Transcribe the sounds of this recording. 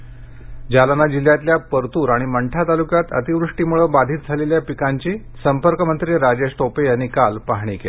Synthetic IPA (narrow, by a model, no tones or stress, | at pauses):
d͡ʑalanad͡ʑiljat̪ljapəɾt̪uːɾaɽ̃iməɳʈʰat̪alukjat̪ə̰t̪iʋɾuʂʈiːmuɭəbad̪ʱiːt̪̚d͡zʱaleljapikaɲt͡ɕiː | səmpəɾkəmənt̪ɾiːɾad͡ʑesʈopejanikalpaɦɳ̃iːkel